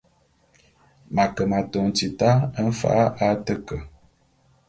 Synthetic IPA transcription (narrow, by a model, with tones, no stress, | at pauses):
ma˨kə˨ma˨to˨n˨ti˨ta˦ə˦n̩˦fa̰˨˦ʔa˦tə˦kə˨